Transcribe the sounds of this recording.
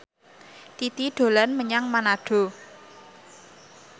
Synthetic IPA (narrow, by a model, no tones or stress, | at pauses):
t̪it̪iɖ̪̥o̤lanməɲaŋmanaɖ̥o̤